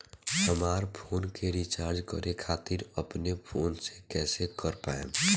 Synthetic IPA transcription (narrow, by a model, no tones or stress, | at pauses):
həmaːɾpʰoːnkeɾit͡ʃaːɾd͡ʒkə̰ɾekʰaːt̪ɪɾəpnepʰoːnsekɛːsekəɾpaːḛ̃